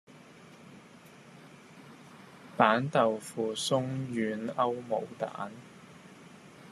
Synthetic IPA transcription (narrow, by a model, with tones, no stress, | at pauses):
paː˨˥nt̪ɐ˨wfuː˨sʊ˥ŋjyː˨˧nɐ˥wmo˨˩wt̪a̰ː˨˥n